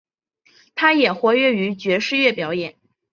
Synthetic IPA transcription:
t̪ʰa˥jɛ˨˩xwɔ˧˥ɥɛ˥˩y˧˥t͡ɕɥɛ˧˥ʂɻ̩˥˧ɥɛ˥˩pjɑ˧˥ʊjɛ˨˩˦n

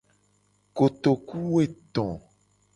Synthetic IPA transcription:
ko˨t̪o˨ku˦we˦˨t̪ɔ̃˨

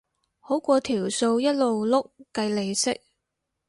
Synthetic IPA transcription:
ho˨˥wkʷɔː˧t̪ʰiː˨˩wso˧wjɐ˥t̚lo˨wlʊ˥k̚ːɐ˧jle˨˧jsɪ˥k̚

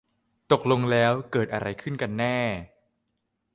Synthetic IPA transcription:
t̪o˨˩k̚lo˧ŋlɛː˦˥wkɤː˨˩t̪̚ʔa˧ɾa˧jkʰɯ˥˩nka˧nːɛː˥˩

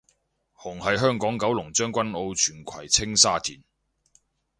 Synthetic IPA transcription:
hʊ˨˩ŋhɐ˨jɦœː˥ŋkɔː˨˥ŋkɐ˨˥wlʊ˨˩ŋt͡ʃœː˥ŋkʷɐ˥no˧wt͡ʃʰyː˨˩nkʷʰɐ˨˩jt͡sʰɪ˥ŋsaː˥t̪ʰiː˨˩n

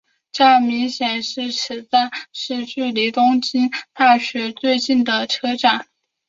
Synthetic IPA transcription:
ʈ͡ʂa˥˩mi˧˥ŋɕjɛ˨˩nʂɻ̩˥˩ʂɻ̩˧˥t͡sa˥˩ɪʂɻ̩˥˧t͡ɕy˥˩li˧˥t̪ʊ˥ŋt͡ɕi˥nt̪a˥˩ɕɥɛ˧˥t͡swe˥˧ɪt͡ɕi˥˩nd̪ə˩ʈ͡ʂʰɤ˥ʈ͡ʂa˨˩˦n

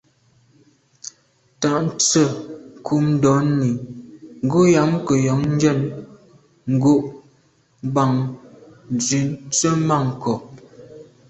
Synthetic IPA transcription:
ta˨ʔn̩˦t͡sə˦˨ŋ˨kʰu˨mn̩˦dɔ˨˦n˦ni˨ŋ̩˨ɡo˦ja˨˦mkə˨jɔ˨˦ŋn̩˦d͡ʒɛ˦˨n | ŋ̩˦˨ɡo˦ʔ | ba˨ŋ | n˨zi˨˦n˦t͡sə˦ma˦˨ŋ˨kɔ˨

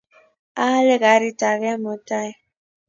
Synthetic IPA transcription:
a˦le˦ɡa˨˦ɾi˦ta˨va˦mo˨ta˦i˨

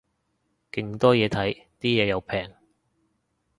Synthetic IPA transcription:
kɪ˨˧ŋt̪ɔː˥jɛː˨˧t̪ʰɐ˨˥jt̪iː˥jɛː˨˧jɐ˨˧wpʰɛː˨˩ŋ

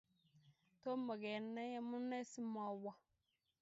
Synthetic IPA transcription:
to˦ma˨ɡɛ˨˦nɛ˦ja˦mu˦ne˦si˦ma˨wa˦

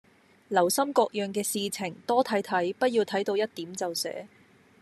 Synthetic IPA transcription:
lɐ˨˩wsɐ˥mkɔː˧k̚jœː˨ŋkɛː˧siː˨˧t͡sʰɪ˨˩ŋt̪ɔː˥t̪ʰɐ˨˥jt̪ʰɐ˨˥jpɐ˥t̚jiː˧wt̪ʰɐ˨˥jt̪o˧wjɐ˥t̚t̪iː˨˥mt͡sɐ˨wsɛ̰ː˨˥

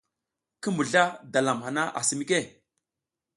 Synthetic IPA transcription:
kə˦mu˨ɮa˦da˨la˨mha˨na˦ʔa̰˨si˨mi˦ke˦˨

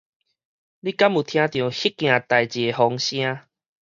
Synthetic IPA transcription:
li˦ka˦mu˨˩t̪ʰj̃ã˧t̪jɔ̃˨˩hi˦kːj̃ã˨˩t̪a˨˩jt͡ɕe˨˩ɦɔ˧˦ŋɕj̃ã˦

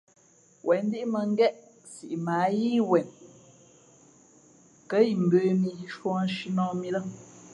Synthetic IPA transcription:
wʔɛ˨n˦di˦ʔmə˨ŋ̩˦ɡɛ˦ʔ | si˨ʔmaː˨˦ji˦wɛ˨n | kə˦ji˨m̩˨beː˦mi˨ji˨˦ʃwɔ̃˦n˦ʃi˦nɔ̃˦mi˦lə˦

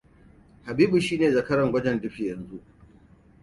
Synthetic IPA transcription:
ha˨biː˦bu˨ʃiː˦neː˨zɐ˨kɐ˦ɾɐ˨ŋɡʷɐ˦d͡ʒɛ˨ndɪ˦ɸi˨jɐ˨nzu˦ʔ

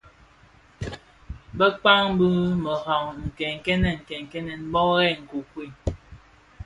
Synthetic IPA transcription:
bə˦k͡pa˦ŋ˦bɨ˦mə˨hɔ˨ŋŋ̩˨kɛ˨ŋ˨kɛ˦nɛ˨ŋ̩˨kɛ˨ŋ˨kɛ˦nɛ˨n̩˦bɔ˦ɣɛ˦˨ŋ̩˨ku˨kwi˦˨

